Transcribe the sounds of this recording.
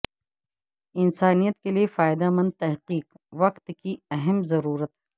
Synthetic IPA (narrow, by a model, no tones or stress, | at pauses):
ɪnsaːnijət̪keliefaːɪd̪amɐ̃nd̪̚t̪ɐɦqiːq | ʋɐqt̪kiɐɦɛmzɐɾuːɾət̪ɦ